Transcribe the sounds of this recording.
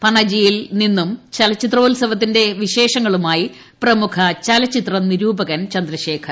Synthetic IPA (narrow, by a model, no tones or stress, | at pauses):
pɐɳɐd͡ʑijilninːumt͡ɕɐlɐt͡ɕːit̪roːlsɐʋɐt̪̬ːinde̞ʋiɕe̞ːʂɐŋːɐɭumaːji | prɐmukʰɐt͡ɕɐlɐt͡ɕːit̪rɐniɾuːbɐɣɐnt͡ɕɐnd̪rɐɕe̞ːkʰɐr